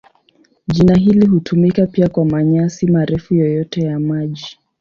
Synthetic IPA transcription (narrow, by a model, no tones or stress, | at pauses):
ʄinaɦiliɦutʰumikapiakwamaɲasimaɾɛfujɔjɔtɛjamaʄi